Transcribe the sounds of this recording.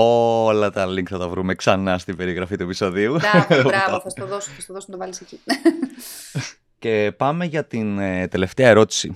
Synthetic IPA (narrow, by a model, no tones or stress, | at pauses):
o̞lɐt̪ɐliŋkθɐt̪ɐvɾumeksɐnɐst̪ibe̞ɾiɣɾɐfit̪uepiso̞ðiuɾɐvoθɐst̪oðosoθɐst̪oðosnɐt̪ovɐlisecine | ce̞pɐme̞ʝɐt̪inet̪e̞le̞ft̪eɐeɾo̞t̪i̥si